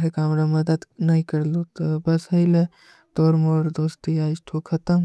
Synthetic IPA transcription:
ɾekaɐmɾamɐd̪əd̪nɐɦĩkɐɾlot̪əbɐsɦɐɪle | t̪oːɾmoːɾd̪oːst̪iaːɪʃʈʰokʰɐt̪əm

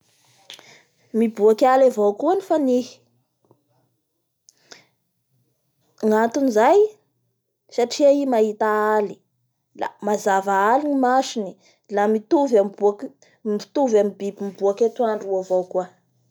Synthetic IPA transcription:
mibuakʲalavowkuanifanih | ŋant̪unizaj | saʈ͡ʂiaimaɦit̪aali̥ | la̰mazavaaliɲimaʃini | lamit̪uvamibuak | ii̥t̪uvamibibimibuakʲet̪uaɳɖ͡ʐuavowkua

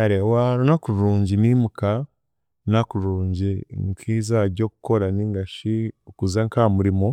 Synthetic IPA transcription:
aɾewaɾonakuɾɾuːɲɟiniːmuka | nakuɾuːɲɟiŋkʰiːzaɟo̞ku̥ko̞ɾaniːŋɡaʃiokuzaŋkaːmuɾimo

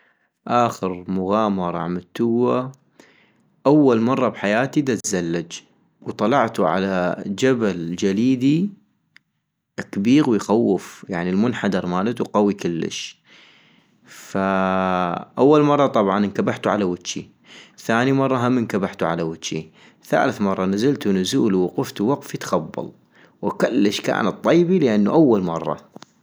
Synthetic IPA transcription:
ʔaːxɪɾmʊɣaːmɑɾˤɑ̰ʕmat̪ːuwːa | ʔawːalmɑrˤːɑbħajaːt̪id̪at̪zalːad͡ʒ | wt̪ˤɑlɑʕt̪uʕa̰lad͡ʒabald͡ʒaliːd̪i | ʔakbiːɣwɪjxawːɪfjaʕnilmʊnħad̪ɑɾˤmaːlat̪uwqawikɪlːɪ̰ʃ | fa | ʔawːalmɑrˤːɑt̪ˤɑbʕɑnnkabaħt̪uʕalawɪt̪ːt͡ʃi | θaːnimɑrˤːɑɦamːɪnkabaħt̪uʕa̰lawɪtːʃi | θa̰ːlɪθmɑrˤːɑnazalt̪unʊzuːlwʊqʊft̪uwaqfit̪xabːɑ̰lˤ | wakɪlːɪʃka̰ːnat̪̚ˤːijbilɪʔanːuʔawːalmɑrˤːɑ̰

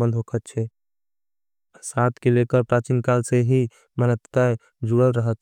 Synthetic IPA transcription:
ənd̪ʱɦokʰət̪̚t͡ʃʰɛ | sat̪ʰkelekəɾpɾat͡ʃinkalseɦi | mənət̪t̪a | d͡ʒuɽəlɾəɦət̪̚

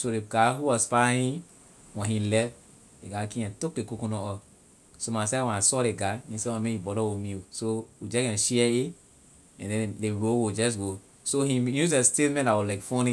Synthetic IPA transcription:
soɾeɡaɦuwɔspãhĩ | wɛ̃hĩlɛf | deɡakĩɛ̃tok̚dekukũnɔɔ | somãsɛwɛ̃nasɔɾeɡanĩsɛwɛ̃mehibɔɾɔwomisowid͡ʒɛkɛ̃nʃiɛe | ɛ̃ndɛ̃ndeɹowud͡ʒɛs̬ɡo | sohĩjus̬estetmɛ̃ntawɔlaɪkfɔ̃nĩ

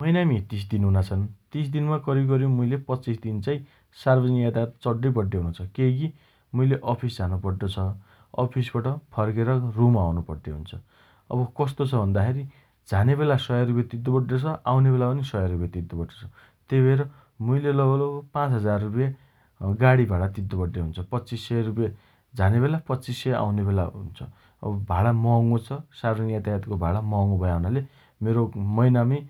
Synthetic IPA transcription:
mʌjnamit̪is̬d̪inɦunat͡sʰʌnt̪isd̪inmakʌɾiɡʌɾjõmujlepʌt͡sisd̪int͡saĩ | sarbʌd͡zʌniad̪at̪t͡sʌɖːʌbʌɖːeɦunt͡sʰʌkeki | mujleʔʌpʰisd͡zʱanupʌɽɖ̪ot͡sʰʌ | ʌ̰pʰisbaʈʌpʰʌrkeɾʌrumawnupʌɽd̪eɦṵnt͡sʰʌ | ʌ̰bʌkʌst̪ot͡sʰʌbʱʌnd̪akʰeɾi | d͡zʱanebelasʌjarupjat̪id̪ːobʌʈːot͡sʰʌʔawnebelapʌnisʌjaɾupjet̪id̪ʱːobʌʈrot͡sʰʌ | t̪ejbʱʌeɾʌ | mujlelʌɡʌlokpãt͡sɦʌd͡zarːupje | ɡaɽibʱaɽat̪id̪ʱːʌbʌʈːeɦunt͡sʰʌpʌtːt͡sisːʌjarup̬je | d͡zʱaneβelapʌtːt͡sisːʌjaʔa̰wnebelaɦunt͡sʰʌ̰ | ʌ̰bʌbʱaɭamʌŋot͡sʰʌsaɾonijat̪aɦat̪kobʱaɭamʌŋobʱʌjaɦunale | meɾomʌjnami

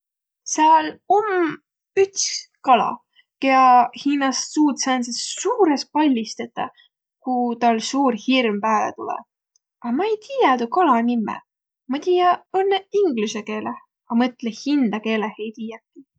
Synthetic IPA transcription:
sɑːlom | yt̪s | kɑlɑ̰ | keɑhiːnɑsːuːt̪sɑnsessuːɾe̞s̚pɑlʲːist̪et̪ːˑɑ | kut̪ɑlsuːrhirmpæːlḛt̪ulɛ̰ | ɑmɑejt̪ʰiːjɑt̪ukɑlɑnimːḛ | mɑt̪iːjɑonːeiŋɡluseke̞ːleh | ɑmɤt̪ˑlehind̪̥ɑke̞ːlehejt̪iːjɑkːˑi

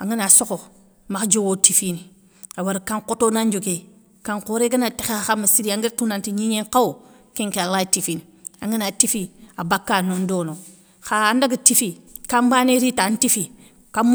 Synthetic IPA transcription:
a̰ŋinasoko | maxd͡ʒowotifini | awaɾkaŋkotonaɲd͡ʒoɡe | kaŋkoɾeɡanatexeaxamasiɾiaŋɡiɾtunantiɲiɲeŋkawo | kĩŋkealatifini | a̰ŋinatifiabakːanondono | xaːndaɡatifikambaneɾitantifi | ka

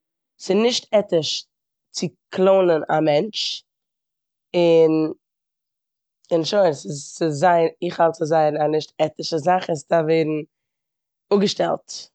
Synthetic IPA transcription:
sɪnɪʃtɛtɪʃ | t͡sɪkʰlˠoʊnəna̰mɛnt͡ʃ | ɪn | ɪnʃoɪɾsɪsːɪzaɪnɪχhalˠt͡sɪzaɪnanɪʃtɛtɪʃəzaχɪstaveɪɾn̩ | ʊɡəʃtɛ̰lˠt

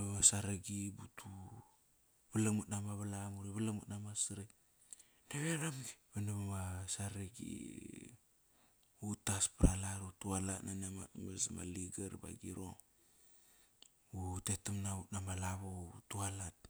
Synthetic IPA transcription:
aβasaɾaɡibutʰu | bəlamut̚namaβalamuɾiβəlakmut̚namasɾe | naβeɾamɡiβenaβaβasaɾaɡḭ | utaspɾalaɾutualatnanema̰tmesama̰liɡaɾba̰ɡiɾo̰ | utetamnautnamalaβautualat̚

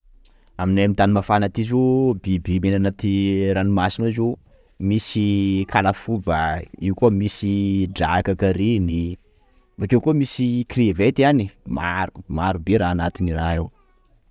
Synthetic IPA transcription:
aminaamint̪animafanat̪izubibimenanat̪iɾanimasinuizu | misikʰalafubaiwkomisiɖ͡ʐakakaɾini | vakewkomisikrivet̪ianimaɾumaɾubeɾaːnat̪iniraew

